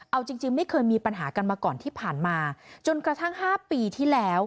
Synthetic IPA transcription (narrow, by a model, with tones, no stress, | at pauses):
ʔa˧wt͡ɕi˧ŋt͡ɕi˧ŋma˥˩jkʰɤː˧jmiː˧pa˧nɦaː˩˦ka˧nmaː˧kɔː˨˩nt̪ʰiː˥˩pʰaː˨˩nmaː˧t͡ɕo˧nkɾa˧t̪ʰa˥˩ŋhaː˥˩piː˧t̪ʰiː˥˩lɛː˦˥w